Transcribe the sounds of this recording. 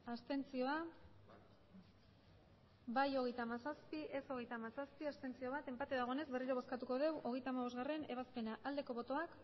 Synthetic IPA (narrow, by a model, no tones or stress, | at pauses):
ast̪e̞nt͡sio̞a | bajo̞ɣ̞e̞jt̪amasaspiʔeso̞ɣe̞jt̪amasaspiast̪e̞nt͡sio̞βat̪e̞mpat̪eðaɣ̞o̞ene̞zβe̞riɾoβo̞skat̪uko̞ð̞e̞wʔo̞ɣ̞e̞jt̪amaβ̞o̞zɣare̞ne̞βaspe̞naʔald̪e̞ko̞βo̞t̪o̞ak